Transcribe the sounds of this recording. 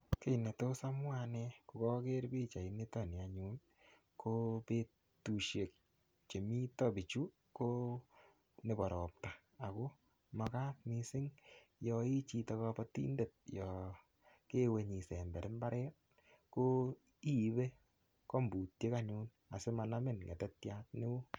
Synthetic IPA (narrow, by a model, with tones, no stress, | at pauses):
ke˦i˨ne˨to˦sa˦mwa˧nɛku˨kɔ˦ke˦ɾbi˦t͡ʃa˨i˨ni˦tɔ˦˨ni˨a˨ɲu˦n | kope˦ | tu˨ʃe˨k̚ | t͡ʃe˨mi˦tɔ˦bi˨t͡ʃu˦ | ko˦ | ne˨bɔ˨ɾɔ˨p̚taː˨ | ko˦ | ma˨ka˦k̚misɪ˦ŋjɔi˦t͡ʃi˧tɔ˧kɔ˧pɔtḭ˦nde˨t̚jɔ | ke˦we˨ɲi˨se˨mbɛ˨ɾɪ˦mba˦ɾʔɛ˦t̚ | ko˦ | i˦˨βe˦ | ko˦mbu˨tje˦ka˦ɲu˦n | a̰˨se˦ma˧na˦mɪ˦nŋḛ˨tɛ˦tja˦t̚nɪ˦wo˦